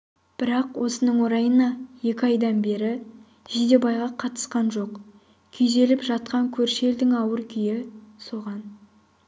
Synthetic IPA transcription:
b̥ɪɾɑqwʔo̞sənəɴwo̞ɾɑjənɑje̞kʲɪɑjd̪ɑnbe̞ɾɪ | ʒ̥id̪e̞bɑjʁɑqʰɑt̪ə̥sqɑnʒo̞q | kʲʰejze̞lɪpʒɑt̪̚qɑŋkʲʰɵɾʃe̞ld̪ɪŋɑwəɾkʲʰʏjɪso̞ʁɑn

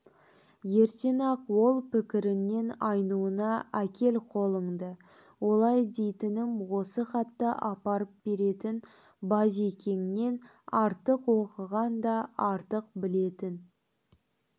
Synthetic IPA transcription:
je̞ɾt̪e̞nɑqwo̞lˠpɪkʲɪɾɪnːe̞nɑjnuənɑʔækʲe̞lqʰo̞lˠəɴd̪ə | wo̞lˠɑjd̪e̞jt̪ɪnɪmwo̞səχɑt̪ːəʔɑpɑɾəp̚be̞ɾe̞t̪ɪn | bɑze̞kʲe̞ŋɪne̞n | ɑɾt̪əqwo̞qəʁɑnd̪ɑɑɾt̪əq̚bɪle̞t̪ɪn

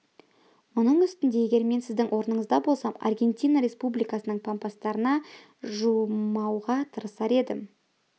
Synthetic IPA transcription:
mʊnəɴʏst̪ɪnd̪e̞eɡʲe̞ɾme̞nsɪzd̪ɪŋwʔo̞ɾənəɴəzd̪ɑbo̞lˠsɑmɑ̰rɡʲe̞nt̪ʲijnaɾe̞spublijkɑsənəɴpʰampast̪ɑɾənɑ | ʒumɑwʁɑt̪ʰəɾəsɑɾe̞d̪ɪm

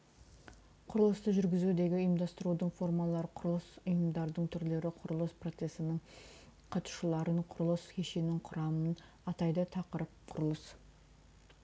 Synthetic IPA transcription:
qʰʊɾəlˠəst̪əʒʏɾɡʲɪzud̪e̞ɡʲɪijmd̪ɑst̪əɾud̪əɴfo̞rmɑlˠɑɾqʰʊɾəlˠəsʊjəmd̪ɑɾd̪əɴt̪ʰʏɾle̞ɾɪqʰʊɾəlˠəspro̞t̪se̞sɪnɪɴ | qʰɑt̪u̥ʃəlˠɑɾəɴqʰʊɾəlˠəskʲʰeʃenɪŋqʰʊɾɑmən | ɑt̪ɑjd̪ət̪ʰɑqəɾəp̚qʰʊɾəlˠəs

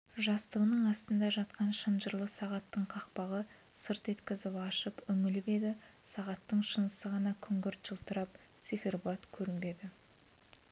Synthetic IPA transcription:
ʒɑst̪əʁənəɴɑst̪ənd̪ɑʒɑt̪̚qɑnʃənʒəɾlˠəsɑʁɑt̪ːəɴqʰɑq̚pɑʁə | səɾt̪e̞t̪kʲɪzɪpɑʃəpʏŋɪlɪpe̞d̪ɪsɑʁɑt̪ːəɴʃənəsəʁɑnɑkʲʰʏŋɡʲɪɾt̪ʒ̥əlˠt̪ʰəɾɑp̚ | t̪siferbuɑt̪kʲʰɵɾɪmbe̞d̪ɪ

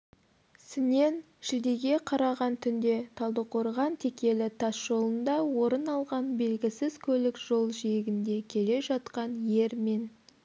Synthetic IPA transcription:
sɪne̞n | ʒɪd̪e̞ɡʲe̞qʰɑɾɑʁɑnt̪ʰʏnd̪e̞t̪ʰɑlˠd̪əqʰo̞ɾʁɑnt̪ʰe̞kʲe̞lɪt̪ʰɑsʒ̥o̞lˠənd̪ɑwo̞ɾənɑlˠʁɑnbe̞lɡʲɪsɪzkʲʰɵlɪkʒo̞lˠʒijɪɡʲɪnd̪e̞kʲʰe̞le̞ʒɑt̪qɑnje̞ɾme̞n

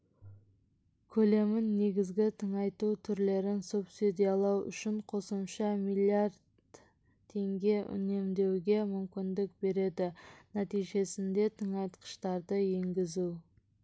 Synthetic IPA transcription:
kʲʰɵle̞mɪnːe̞ɡʲɪzɡʲɪt̪ʰəɴɑjt̪ut̪ʰʏɾle̞ɾɪnsupsid̪ijɑlˠɑwʏ̰ʃɪɴqʰo̞səmʃɑmilˠiaɾd̪ | t̪ʰːe̞ŋɡʲe̞ʏ̰ne̞md̪e̞wɡʲe̞mʏmkʲɪnd̪ɪk̚be̞ɾe̞d̪ɪnæt̪ijʒe̞sɪnd̪e̞t̪ʰəɴɑjt̪qʰə̥ʃt̪ɑɾd̪əje̞ŋɡʲɪzu

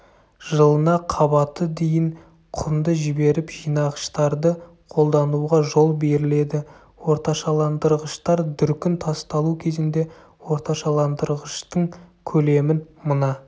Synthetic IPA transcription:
ʒəlˠənɑqʰɑbɑt̪əd̪ejɪɴ | qʰʊmd̪əʒɪbe̞ɾɪpʒ̥ijnɑʁəʃt̪ɑɾd̪ə | qʰo̞lˠd̪ɑnuʁɑʒo̞lˠbe̞ɾɪle̞d̪ɪ | wo̞ɾt̪ɑʃɑlˠɑnd̪əɾʁəʃt̪ɑɾd̪ʏɾkʲɪnt̪ʰɑst̪ɑlˠukʲʰe̞zɪnd̪e̞ | wo̞ɾt̪ɑʃɑlˠɑnd̪əɾʁəʃt̪əɴkʲʰɵle̞mɪnmənɑ

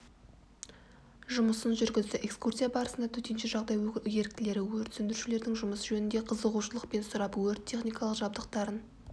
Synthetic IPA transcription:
ʒʊməsənʒʏɾɡʲɪzd̪ɪʔe̞kskursʲijabɑɾəsənd̪ɑt̪ʰɵt̪e̞nʃɪʒɑʁd̪ɑjje̞ɾk̚t̪ɪle̞ɾɪwɵɾt̪sʏnd̪ɪɾʃɪle̞ɾd̪ɪŋʒʊməsʒɵnɪnd̪e̞qʰəzəʁuʃəlˠəqpe̞nsʊɾɑpwɵɾt̪ʲʰːe̞χnijkɑlˠəqʒɑbd̪əq̚t̪ɑɾən

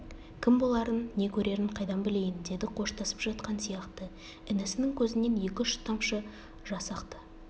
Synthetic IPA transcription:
kʲʰɪmbo̞lˠɑɾənːe̞kʲʰɵɾe̞ɾɪɴqʰɑjd̪ɑmbɪle̞jɪnd̪e̞d̪ɪqʰo̞ʃt̪ɑsə̥pʒɑt̪qɑnsijɑqt̪ə | ɪnɪsɪnɪŋkʲʰɵzɪne̞nje̞kʲɪʃt̪ɑmʃə | ʒɑsɑqt̪ə

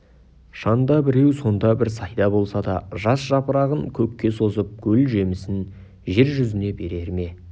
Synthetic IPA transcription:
ʃɑnd̪ɑbɪɾe̞wso̞nd̪ɑbɪɾsɑjd̪ɑbo̞lˠsɑd̪ɑ̰ʒɑsʒ̥ɑpəɾɑʁəŋkʲʰɵkʲːe̞so̞zəp̚kʲʰɵlʒe̞mɪsɪn | ʒe̞ɾʒʏzɪne̞be̞ɾe̞ɾme̞

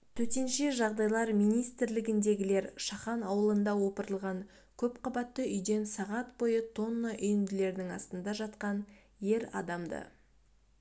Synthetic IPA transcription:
t̪ʰɵt̪e̞nʃeʒɑʁd̪ɑjlˠɑɾmijnijst̪ɪɾlɪɡʲɪnd̪e̞ɡʲɪle̞ɾʃɑχɑnɑwəlˠənd̪ɑwo̞pəɾəlˠʁɑŋ | kʲʰɵpqʰɑbɑt̪ːəʏjd̪e̞nsɑʁɑt̪bo̞jət̪ʰo̞nːəʔʏjɪmd̪ɪle̞ɾnɪŋɑst̪ənd̪ɑʒɑt̪qɑn | je̞ɾɑ̰d̪ɑmd̪ə̰

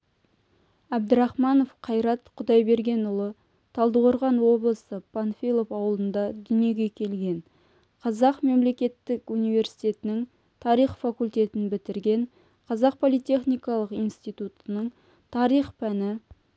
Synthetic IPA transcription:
æb̚d̪ɪɾɑχmɑno̞fqʰɑjɾɑt̪qʰʊd̪ɑjbe̞ɾɡʲe̞nʊlˠə | t̪ʰɑlˠd̪əʁoɾʁɑnwo̞blˠəsəpʰanfʲilˠo̞fɑwəlˠənd̪ɑd̪ʏne̞ɡʲe̞kʲʰe̞lɡʲe̞ɴ | qʰɑzɑqme̞mle̞kʲe̞t̪ːɪkunijve̞ɾsi̥jt̪ʲe̞t̪ɪnɪŋ | t̪ʰɑɾijχfɑkulʲt̪ʲe̞t̪ɪnbɪt̪ɪɾɡʲe̞ɴ | qʰɑzɑq̚pʰo̞lˠijt̪ʲe̞χnijkɑlˠəqijnst̪ijt̪ut̪ənəɴ | t̪ʰɑɾijχpʰænɪ

